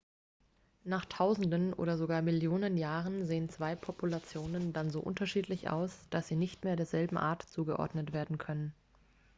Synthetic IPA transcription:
naːχtʰaʊzn̩dənʔo̰ːɾɐzoɡaːɐmɪljoːnənjaːʁənzeːənt͡sv̥aɪpʰɔpʰulat͡sjoːnəndanzo̰ːʔʊ̰ntɐʃiːtlɪçʔa̰ʊsd̥asz̥iːnɪçtmeːɐɾeːɐzɛlbm̩ʔa̰ːɐtt͡suːɡəʔɔ̰ɐdnətv̥eːɐdn̩kʰœnən

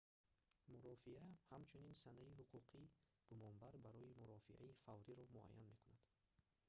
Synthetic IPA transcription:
muɾɔfiahamt͡ʃʰuninsanaiɦuqʰuqʰi | ɡ̥umɔnbaɾbaɾɔimuɾɔfiʔa̰ifavɾiɾɔmua̰jːa̰nme̞kunad̪̥

